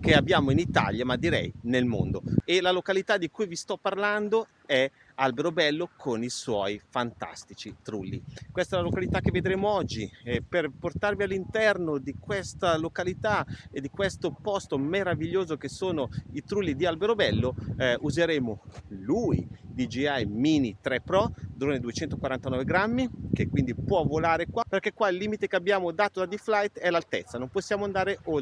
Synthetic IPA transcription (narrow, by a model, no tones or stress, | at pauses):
k̟eabːjaːmoinit̪a̰ljamad̪ːiɾɛ̰jnelmo̰nd̪oelalokalit̪ad̪ːikujvist̪ɔpːarland̪o | ɛ | albeɾobɛlːokʰoniswɔjfant̪a̰st̪it͡ʃit̪ɾulːḭkwest̪ɛlalokalit̪ak̟ːevːed̪ɾeːmoɔd͡ʒːiɛperport̪arvialːint̪ɛrnod̪ikwest̪alokalit̪aed̪ːikwest̪opɔst̪omeɾaviʎːoːzokesoːnoit̪ɾulːid̪ialbeɾobɛlːoʔuzeɾeːmoluid̪id͡ʒiajminit̪ɾɛpɾɔd̪ɾoːned̪uet͡ʃɛnt̪okwaɾant̪anɔːveɡɾamːikekːwind̪ipwɔvːolaːɾekwaperkɛkːwailːiːmit̪ekeabːjaːmod̪aːt̪od̪ad̪iflajt̪ɛlalt̪ḛt̪sːanõmposːjaːmoand̪aːɾeʔo